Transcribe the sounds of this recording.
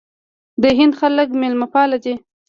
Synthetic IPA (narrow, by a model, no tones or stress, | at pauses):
d̪əɦɪnd̪xalək̬melmapɑlad̪e